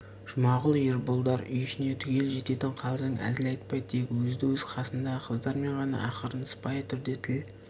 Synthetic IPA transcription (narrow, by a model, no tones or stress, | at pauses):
ʒ̥ʊmɑʁəlˠjeɾbolˠd̪ɑɾʏ̰jɪʃɪne̞t̪ʰʏɡʲe̞lʒe̞t̪e̞t̪ɪɴqʰɑlˠzəŋæ̰zɪlɑjt̪̚pɑjd̪̚t̪ʰe̞kʲwɵzd̪ɪwɵzqʰɑsənd̪ɑqʰəzd̪ɑɾme̞ɴʁɑnɑ̰ʔɑqəɾənəspɑjət̪ʰʏɾd̪e̞t̪ʰɪl